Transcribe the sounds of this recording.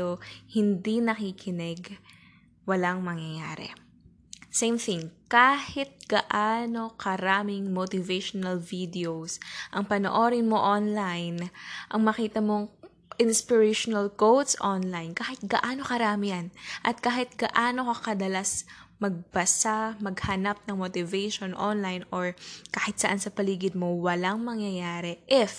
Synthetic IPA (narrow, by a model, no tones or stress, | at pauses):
ohɪnd̪inɐkikʰɪnɛɡ | wɐlaŋmɐŋjɐja̰ːɾɛ̰ | sejmθɪŋkaːhɪt̪̚ɡ̥ɐʔaːno̞kɐɾaːmɪŋmot̪ɪveʃonɐlvid̪ɛowsʔɐŋpɐno̰ʔo̞ɾɪnmo̞ʔonlajnʔɐŋmɐkiːt̪ɐmo̞ŋ | ʔɪnspɪɹɛʃonɐlkowt̪sʔonlajnkaːhɪt̪̚ɡɐʔaːno̞kɐɾaːmɪjanʔɐt̪̚kaːhɪt̪̚ɡɐʔaːno̞kɐkɐd̪ɐlasmɐɡ̚bɐsamɐɡhɐnap̚nɐŋmot̪ɪvɛjʃonʔonlajnʔoɹkaːhɪt̪sɐʔansɐpɐliːɡɪd̪̚mowɐlaŋmɐŋjɐjaːɾɛʔɪf